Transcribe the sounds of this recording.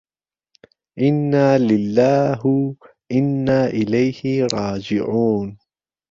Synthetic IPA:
ʔɪnːaːlɪlːaːɦ | ʔɪnːaːʔɪlajhɪɾˤɑːd͡ʒɪʕuːn

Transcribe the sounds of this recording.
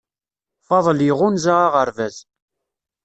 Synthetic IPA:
fɑðˤliʁʊnzaʁaʁəɾvæz

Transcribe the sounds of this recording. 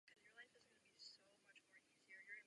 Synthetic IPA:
kʰʌzjə˞laɪfɪznɡʌnɨbisoʊmʌt͡ʃmɔɹiziə˞jə˞

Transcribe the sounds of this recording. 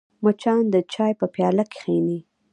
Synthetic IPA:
mat͡ʃɑnd̪ət͡ʃɑjpəpjɑlake̥xeni

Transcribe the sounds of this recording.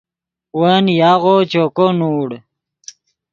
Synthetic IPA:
wanjaɣot͡ɕokonuːɽ

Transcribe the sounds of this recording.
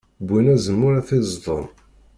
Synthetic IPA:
bːinæzəmːʊɾæθɪzðˤo̰n

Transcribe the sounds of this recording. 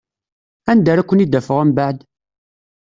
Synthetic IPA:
ænd̪æɾækʷːənid̪ːæfəʁæmbaʕd̪

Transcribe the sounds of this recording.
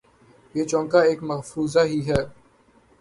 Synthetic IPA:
jeːt͡ʃɔ̃ːŋkaeːkmɐfɾuːzaɦiɦɛː

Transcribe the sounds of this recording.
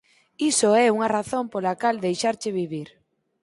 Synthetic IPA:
isoɛuŋɐraθompolakald̪ejʃaɾt͡ʃɪβiβiɾ

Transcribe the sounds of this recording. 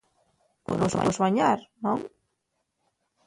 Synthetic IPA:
po̰no̰zβa̰zβaɲaɾnõŋ

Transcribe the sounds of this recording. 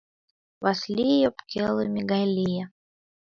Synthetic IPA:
vaslʲijopkʲelˠɨmʲɪɡalʲijə

